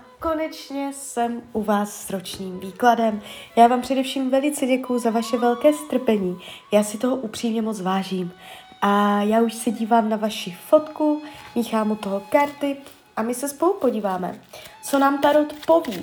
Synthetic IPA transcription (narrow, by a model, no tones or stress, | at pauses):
ko̞nɛt͡ʃɲɛsɛmʔuvaːsːɾo̞t͡ʃɲiːmviːkladɛmjaːvaːmpr̝̥ɛdɛfʃiːmvɛlɪt͡sɛɟɛkujʊzavaʃɛvɛlkɛːst̪r̩pɛɲiːjaːsɪt̪o̞ɦoʔupr̝̥iːmɲɛmot͡svaːʒiːm | ʔajaːuʃsɛɟiːvaːmnavaʃɪfo̞t̪kumiːxaːmut̪oɦokaɾt̪ɪ | ʔamɪsɛspo̞lupo̞ɟiːvaːmɛ̰t͡so̞naːmt̪aɾot̪po̞viː